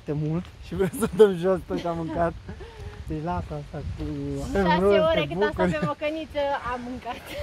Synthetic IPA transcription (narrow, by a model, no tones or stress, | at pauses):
t̪emult̪ʃivɾemsət̪əmʒosp̪ɨkamɨŋkat̪d̪et͡ʃlat̪ast̪aavemɾoeoekɨbukuɾvemokənit̪səamɨŋkat̪